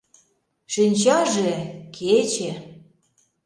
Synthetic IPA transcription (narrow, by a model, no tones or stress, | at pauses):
ʃinʲt͡ɕɑʒekʰet͡ɕe